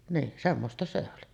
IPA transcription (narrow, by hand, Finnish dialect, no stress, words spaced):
niːn semːostɑ se oli